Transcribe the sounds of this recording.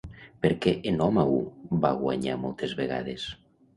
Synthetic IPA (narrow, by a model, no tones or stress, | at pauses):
peɾkeʔenɔmaubaɣwa̰ɲa̰ɾmɔlt̪ezβeɣa̰ðes